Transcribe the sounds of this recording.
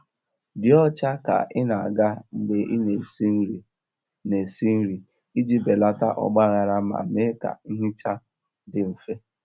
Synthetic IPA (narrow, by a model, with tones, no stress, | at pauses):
dɪ˨ɔ˦t͡ʃa˦ka̰˨ʔɪ˦na˨a˨ɡa˦ŋ͡m̩˨ɡ͡be˨ʔɪ˦ne˨si˦ɾi˨ | ne˨si˦n̩˦ɾi˨ | i˦d͡ʒi˦be˨la˦ta˦ʔɔ̰˨ɡ͡ba˦ɣa˨ɾa˦ma̰˨me˦ka̰˨i˦ɦi˦t͡ʃa˦ | dɪ˨m̩˨fe˦